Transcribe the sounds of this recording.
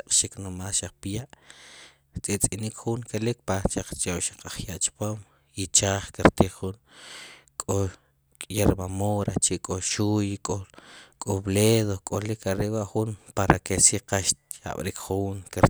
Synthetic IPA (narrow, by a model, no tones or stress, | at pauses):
aqʼʃiknomaːlʃaq͡χ̚pjaʔ | t͡sʼet͡sʼinikχuŋkʰelikpaʃaq͡χt͡ʃawʃḁqaχjaʔt͡ʃi̥poːm | it͡ʃaːχkiɾt̪iːχχun | kʼo | kʼjeɾbamoɾat͡ʃiʔkʼoʃujkʼokʼobleðokʼolikʰaɾeʔwaʔχunpaɾakesiqaʃa̰ɓɾikχuːŋkeɾ